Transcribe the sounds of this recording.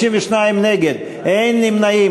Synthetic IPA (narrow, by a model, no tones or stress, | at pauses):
iɱveʃnajimneɡed̪ | ejnlimnai